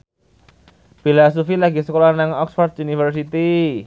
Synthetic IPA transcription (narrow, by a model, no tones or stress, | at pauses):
b̥ilas̬ufilaɡisəkolanaŋɔksfɔrd̪̚unifərs̬it̪i